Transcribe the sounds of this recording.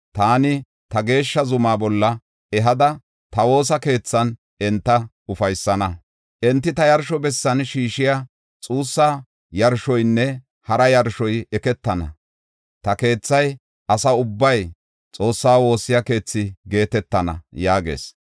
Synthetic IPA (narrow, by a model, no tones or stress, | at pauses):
t̪aːnɪ | t̪ɐɡe̞ːʃːɐzʊmaːbɔlːɐ | ɛɦɐd̪ɐ | t̪ɐwo̞ːsɐke̞ːt͡sːɐn | ɛnt̪ːɐ | ʊfɐjsːɐnɐ | ʔɛnt̪ːɪt̪ɐjɐɾʃɔbɛsːɐnʃiːʃɪja | t͡sʼuːsːaː | jɐɾʃɔjnːɛ | hɐɾɐjɐɾʃɔjɛkɛt̪ːɐnɐ̰ | t̪ɐke̞ːt͡sːɐj | ʔɐsɐʊbːɐj | t͡sʼo̞ːsːaːwo̞ːsːɪjɐke̞ːt͡sːɪɡe̞ːt̪ɛt̪ːɐnɐ̰jaːɡḛːs